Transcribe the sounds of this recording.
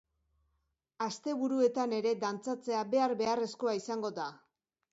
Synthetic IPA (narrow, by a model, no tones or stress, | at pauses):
ast̪e̞βuɾue̞t̪ane̞ɾe̞d̪ant͡sat͡se̞aβe̞aɾbe̞are̞sko̞aisaŋɡo̞ða